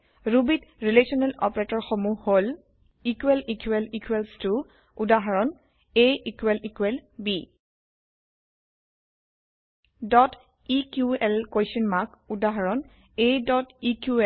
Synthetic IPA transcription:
ɹubitɹilesɔnɛlɔ̰paɹetɔɹxomuhol | ikwelikʰuɛlikʰwɛlstu | udaɦaɹɔn | eikuwɛlikuɛlbi | dɔt | ikjuɛlkojsɔnmakudaɦaɹɔn | edɔtikuɛ

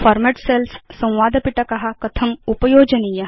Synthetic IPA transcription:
fɔɾmeʈselssə̃w̃ʋad̪ʱpiʈakɐɦakət̪ʰəmupəjod͡ʑənijə

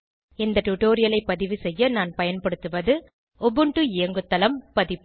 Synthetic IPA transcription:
ɪnd̪ɐʈuʈoːɾɪjɐlɐɪpːɐðɪʋɯsɛjːɐnaːnpɐjɐnpɐɽɯt̪ːɯʋɐðɯ | ɔbɯɳʈɯɪjɐŋɡɯt̪ːɐlɐmpɐðɪpː

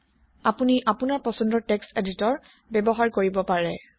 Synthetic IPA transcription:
apuniʔapunaɹpɔsɔndɔtekseditɔɹ | bɛbɔɦaɹkoɹibɔpaɹɛ

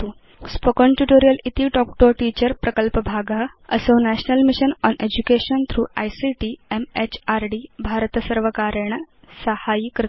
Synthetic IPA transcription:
spəkoɳʈuʈoɾijəlit̪iʈɔk̚ʈoʈiːt͡ɕəɾpɾəkəlpəbʱaɡʱa | ə̰sonæɕnəlmiɕənɔnʔed͡ʑukeɕənt̪ʰɾuːa̰jsiʈiemet͡ɕaɾɖibʱaɾt̪əsəɾʋəkaɾeɳ | səhajikɾ

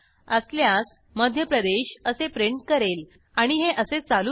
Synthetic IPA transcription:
əsljas | məd̪ʱjəpɾəd̪eɕəsepɾeɳʈkəɾel | aɽ̃iɦeʔəset͡salu

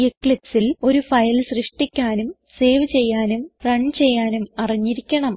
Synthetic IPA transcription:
ekːɭiksilo̞ɾufɐjlsrɨʂʈikʲːaːnum | se̞ːʋɨt͡ɕe̞jːaːnumrɐɳt͡ɕe̞jːaːnumɐriɲːiɾikʲːɐɳɐm

